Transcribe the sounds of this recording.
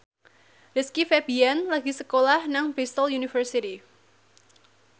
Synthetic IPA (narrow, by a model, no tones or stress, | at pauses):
ɾiskifɛbianlaɡisəkolahnaŋfist̪əljunifərsit̪i